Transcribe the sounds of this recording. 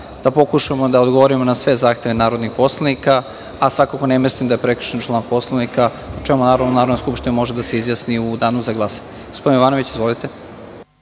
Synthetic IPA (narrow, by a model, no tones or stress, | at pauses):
d̪̥apo̞kuʃamod̪aod̪ɡoʋoɾimonasʋe̞zaːxt̪e̞ʋenaːɾo̞d̪nixpo̞slˠanika | asʋakako̞nemislimd̪ajepɾekɾ̩̥ʃent͡ʃlˠaːnpo̞slˠanika | ut͡ʃemunaːɾod̪naɾod̪naskupʃt̪inamo̞ʒed̪aseizjasniud̪aːnuzaɡlˠaːsaɲeɡospd̪injʋaːnoʋit͡ɕizʋo̞lit̪e̞